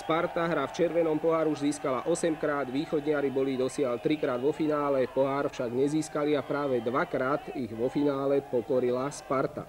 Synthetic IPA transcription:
spaɾt̪aɦɾaft͡ʃɛɾʋɛnɔmpɔɦaːɾuuʒziːskalaʔɔsɛmkɾaːd̪ʋiːxɔd̪ɲɪaɾibɔlid̪ɔsɪalt̪ɾikɾaːd̪ʋɔfinaːlɛpɔɦaːɾfʃaɡɲɛziːskaliapɾaːʋɛd̪ʋakɾaːt̪iɣʋɔfinaːlɛpɔkɔɾilaspaɾt̪a̰

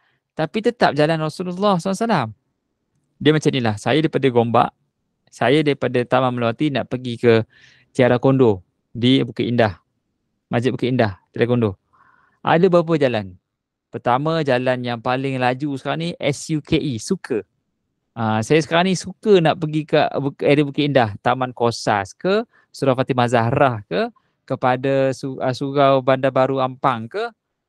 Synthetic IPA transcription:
t̪apit̪ət̪ap̚d͡ʒalanrɔsululːɔhsalasalam | diəmat͡ʃamnilahsa̰jadaipadaɡomba̰ʔ | sajadaɾipadat̪amaməlawat̪inaʔpəɡikə | t̪iaɾakondo | dibukəʔindah | mad͡ʒit̪bukaindaht̪iaɾakondo | ʔa̰dəbap̬əd͡ʒalan | pərt̪amãd͡ʒalanjaŋpalɪŋlad͡ʒusə̥kaɾaniʔɛsjukʰeʔisukʰə | asajasə̥kaɾaŋnisukənaʔpəɡikaʔbuɛdibukiindaht̪amankosa̰skə | suɾafat̪imazaɦɾahkə | kəpadasuəsuɡawbandabaɾuampaŋkə

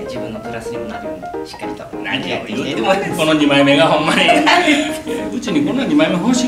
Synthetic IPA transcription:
d͡ʑibɯ̟̃nːotɯɾasɨɲimonaɾiɕi̥kːaɾʲit̪onã̰ɲijɯt̪ːemoko̞noɲʲimaime̞ɡaɦõ̞mːaɲi | ɯ̟t͡ɕiɲ̟ikõnːaɲʲimaimeɦoːɕi

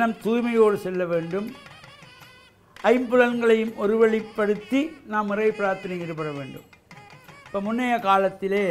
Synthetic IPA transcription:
nɐmt̪uːjmɐjoːɽɯsɛlːɐʋeːɳɖɯm | ɐɪmbɯɻɐnɡɐɭɐjɯmɔɾɯʋɐɭɪpːɐɽɯt̪ːinaːmːɪrɐɪpːɪɾaːɾt̪ːɐnɐjɪɾɯpːɐɽɐʋḛːɳɖɯ̰m | ɪpːɐːmʊnːɐjɐkaːlɐt̪ːɪleː

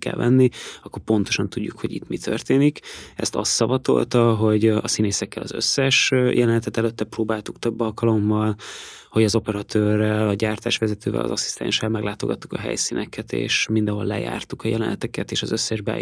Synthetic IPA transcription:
kɛ̰lvɛ̰nːiɒkːorpo̞n̪t̪o̞ʃɒnt̪uɟːukhoɟḭt̪mit̪ʰø̰rt̪eːnikɛ̰st̪ɒ̰sːɒbɒt̪o̞̰lt̪ɒɦo̞ɟɒsineːsɛkːɛlɒzø̰sːɛʃjɛlɛnɛt̪ɛt̪ɛløt̪ːɛproːbaːlt̪ukt̪øbːɒlkɒlo̞mːɒlho̞ɟɒzo̞pɛɾɒt̪øːrːɛlɒɟaːrt̪aːʃʋɛzɛt̪øːvɛ̰lɒ̰zɒsi̥st̪ɛ̰̃nʃɛlmɛɡlaːt̪o̞ɡɒt̪ːukɒɦɛ̰jsinʔɛkɛt̪ḛːʃmind̪ɛ̃ɦo̞lːɛ̰ja̰ːrt̪ukɒjɛlɛnɛt̪ɛkɛt̪eːʃɒzøsːɛʒbɛ̰ː

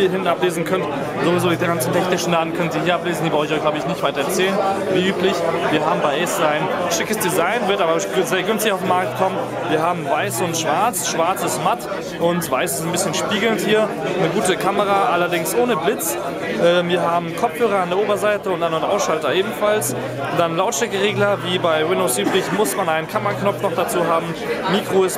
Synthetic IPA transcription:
iːɐɦɪntn̩apleːzn̩kʰœnt | zovizoːdiːɡant͡sn̩tʰɛçnɪʃn̩daːtn̩kʰœnənziɐhiːɐapleːzn̩diːbaɔçɔçɡ̥laʊbəɪçnɪçtvaɪtɐɛɐt͡sɛːlənviːʔyːplɪçviːɐɦaːbm̩baɪʔɛsaɪnʃɪkəsd̥izaɪnvɪɐtaːbɐzeːɐɡʏnstɪçaʊfdemːaɐk̚tkʰɔmən | viːɐɦaːbm̩vaɪsʊntʃv̥aɐt͡sʃv̥aɐt͡sɪsmat | ʔʊntv̥aɪsɪ̥stnbɪsçənʃpiːɡl̩nthiːɐ | nəɡuːtəkʰaməʁaːʔalɐdɪŋsʔoːnəblɪt͡s | ʔɛːviːɐɦaːbm̩kʰɔpp͡fhøːʁ̞ɐandeɐʔoːbɐzaɪtəʊntd̥ananʔaʊsʃaltɐʔeːbm̩fals | d̥anlaʊtʃɛkəʁeːɡlɐviːbaɪwɪndoʊsʔyːbʁɪçmʊsmanaɪnənkʰamɐknɔp͡fnɔχd̥at͡suːɦaːbm̩ | miːkʁ̥oɪs

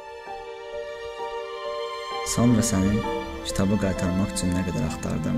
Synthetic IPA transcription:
sɑnɾɑsænin | cʰi̥t̪ʰɑbɯɡɑjt̪ʰɑɾmɑχt͡ʃʰinːæɡɛd̪æɾɑχt̪ʰɑ̰ɾd̪ɯm

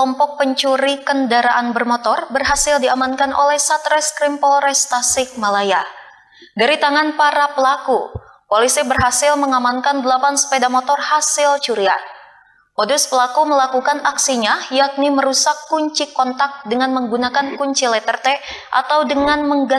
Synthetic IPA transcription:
ɔmpɔk̚pəɲt͡ʃuɾikəndaɾaʔanbərmot̪ɔrbərɦasɪldiamankanʔo̰lɛhsat̪ɾɛskɾimpɔlɾɛst̪asɪk̚malaja | daɾit̪aŋanpaɾapəlaku | polisibərɦasɪlməŋamankandəlapanspedamot̪ɔrhasɪlt͡ʃuɾia | poduspəlakuməlakukanaksiɲajak̚niməɾusakːuɲt͡ʃikɔnt̪ak̚dəŋanməŋɡunakankuɲt͡ʃilɛt̪ərt̪ɛʔa̰t̪awdəŋanməŋɡa

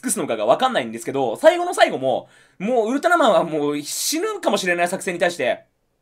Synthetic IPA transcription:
kɯ̟sɨnokaɡaβakãnːaĩnd̪e̞sɨ̥ke̞d̪o̞saiɡo̞no̞saiɡo̞mo̞̰ | moːɯ̟ɾɯ̟t̪anamãɰ̃βamoːɕinɯ̟kamo̞ɕiɾe̞naisakɯ̟̥se̞ɲ̟ːit̪aiɕi̥t̪e̞

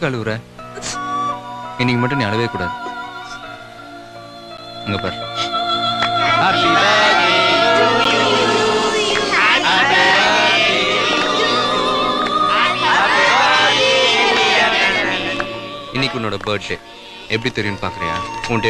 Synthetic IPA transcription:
kɐɭɯʋɯɾɛː | ɪnːɪkːɯmɐʈːɯnĩːɐɽɯʋeːkuːɽaːðɯ | ɐŋɡɐpa̰ːɾ | aːɾ | ɪnːɪkʲːɯʊnːoːɽɐbɐːɾɖleː | ɛpːɐɽit̪ːɛɾɪjɯnːɯpaːɾkɪɾɐ̰̃ja̰ːoɳʈe

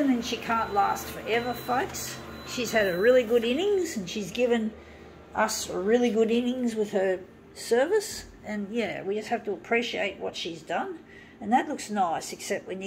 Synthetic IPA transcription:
nɨ̃nʃikʰæ̃nʔlæstfə˞ʔɛvə˞foʊksʃiz̥ɨɾɹɪlˠiɡʊɾɪ̃nɪ̃ŋz̃n̩ʃizɡɪvɨ̃n | ʔʌsɹɪlˠiɡʊɾɪ̃nɪ̃ŋzwɨð̥ə˞ | sɜ˞vɨs | ɨ̃njæwid͡ʒʌst̚hæftəəpʰɹ̥iʃiḛɪt̚wʌ̰tʃizdʌ̃n | ɨ̃nðɨtˡlʊksnaɪsɨksɛp̚t̚wɨ̃n

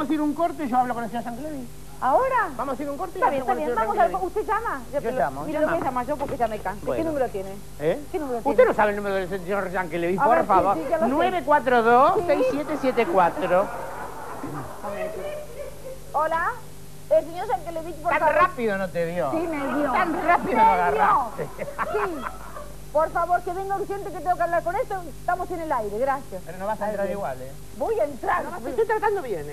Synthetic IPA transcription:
amosiɾuŋkoɾt̪eʒoaβlokonelseɲoɾʃaŋkeleði | aoɾabamosaiɾuŋkoɾt̪eaβenok̪t̪asjeoaaŋmoskust̪eʒamaʒoʒoamoieʒamaʒopoɾkeʒamekasbwḛkenũmeɾot̪jene | ekenumeɾotust̪enosaβelnumeɾoðelsesɲoɾʒaŋkeleβiapooɾfaβoɾanweβekwat̪ɾoðosssejssjet̪esjet̪ekwat̪ɾo | ae | ola | els̬eɲoɾʃaŋkeleðitpoɾarapiðonot̪eðjosimeðjot̪anrapiðooaɣaraot̪esi | poɾfaβoɾkeβeŋɡosjent̪eket̪eɡokaβlaɾkonest̪o | st̪amosenelajɾeɣɾaθjaspeɾonoβasanet̪ɾaɾiɣwale | bujent̪ɾanoet̪ut̪ɾat̪and̪oβjen

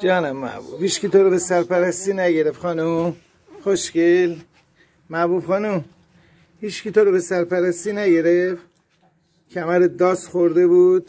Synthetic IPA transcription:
d͡ʒɒːnæmːæ̰bṵbhiːt͡ʃcit̪ʰoɾobesæɾpæɾæst̪iːnæɟeɾeft̪xɒːnum | xoʃcel | mæbubxɒːnum | hiːt͡ʃcit̪ʰoɾobesæɾpæɾæst̪iːnæɟe̞ɾef | cʰæmæɾed̪ɒːsxoɾd̪ebuːd̪̥

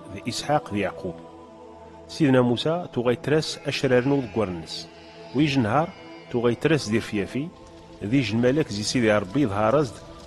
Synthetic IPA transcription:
ðʔisħaqðjaʕqʰub | siðnæmusæt̪uʁæjət̪ːɾæsæʃɾaɾənʊɾðəɡʷːəɾˤnːəs | wiʒənɦɑɾˤ | t̪uʁæjət̪ːɾæsd̪iɾfjæfi | ðiʒəlmælækzisiðiɾˤəbːiðˤɦɑɾˤɑzd̪

